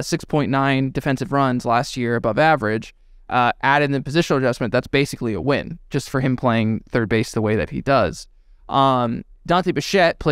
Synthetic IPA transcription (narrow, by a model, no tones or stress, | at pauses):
sɪkspʰɔ̃ɪ̃nːãɪ̃ndɨfɛ̃nsɨvɹʌ̃nzlæst̚jɪɹɨbʌvævə˞ɪd͡ʒ | ʔʔæɾɨ̃nðɨpɨzɪʃn̩l̩ˠəd͡ʒʌsmɨ̃nðætsb̥eɪsɨkliə̰wɪ̰̃n̥d͡ʒ̥ʌstfə˞ɨ̃mpʰl̥eɪɪ̃ŋθɜ˞d̚beɪsðəweɪðɨ̰t̚hḭdʌz̥ | ʔd̥ɑ̃ntibɨʃɛt̚pʰl̥e